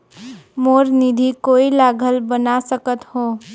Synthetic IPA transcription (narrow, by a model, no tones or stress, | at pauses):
moɾnid̪ʱikoilaɡʱəlbənasəkət̪ho